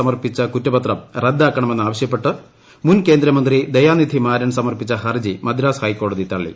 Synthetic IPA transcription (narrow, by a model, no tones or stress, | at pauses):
ɐmɐrpit͡ɕːɐkutːɐbɐt̪rɐmred̪ːaːkːɐɳɐme̞nːaːʋɐɕjɐpːe̞ʈːɨ | munke̞ːnd̪ɾɐmɐnd̪rid̪ejaːnid̪ʰʱimaːɾɐnsɐmɐrpit͡ɕːɐhɐrd͡ʑimɐd̪ʱiɾaːshɐjkːo̞ːɽɐðit̪ɐɭːḭ